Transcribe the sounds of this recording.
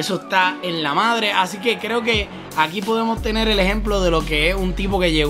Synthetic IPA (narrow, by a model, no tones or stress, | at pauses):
esoest̪aenlamað̞ɾe̞ʔasike̞kɾe̞oke̞ | akipo̞ðe̞mo̞st̪e̞ne̞ɾe̞le̞ɦe̞mplo̞ðe̞lo̞ke̞esunt̪ipo̞ke̞ʝeɣ